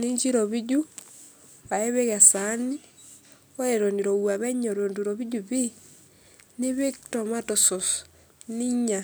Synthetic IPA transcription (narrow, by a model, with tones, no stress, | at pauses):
ni˦ɲd͡ʒi˦ɾoβi˦ɟu˦ | βa˨e˦βe˦ɣa˨sani˦ | o˦e˨ɾo˨niɾo˨wa˨βɛ˦ɲo˨ɾo˨nduɾoβiɟuβi˦ | ne˦βe˦ktoma˦toso˨s | ni˦ɲa˨